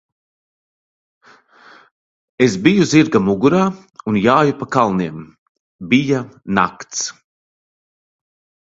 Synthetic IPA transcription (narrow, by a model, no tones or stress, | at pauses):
esbijuziɾɡamuɡuɾaː | unjaːjupakalˠniɛm | bijana̰kt̪s